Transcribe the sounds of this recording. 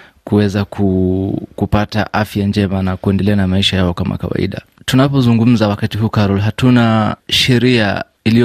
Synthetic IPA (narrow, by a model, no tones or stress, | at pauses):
kuwɛzakʰukupata̰ʔafjand͡ʒɛmanakuɛndɛlɛanamaiʃajaɔkama̰ka̰wa̰ḭɗa̰ | tunapɔzuŋɡum̩zawakatiɦuːkaɾɔlɦatunaʃɛɾia̰ | ili